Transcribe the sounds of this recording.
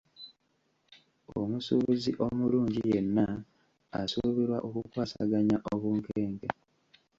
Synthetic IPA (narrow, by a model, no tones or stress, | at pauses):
o̰musṵβuziʔo̞muluːɲɟijenːa | a̰suβiɾwa̰ʔokukwaːsa̰ɡaɲaʔoβuːŋkeːŋɡe